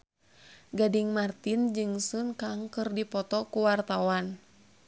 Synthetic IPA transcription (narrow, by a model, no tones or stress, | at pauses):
ɡadiŋmart̪ind͡ʒɨŋsunkaŋkɨrdipɔt̪ɔkuwart̪awan